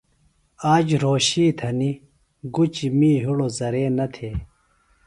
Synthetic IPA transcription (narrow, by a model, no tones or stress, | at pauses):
aːd͡ʑɾoːɕiːt̪ʰɐni | ɡut͡ɕimiːɦuɽozɐɾeːnɐt̪ʰeː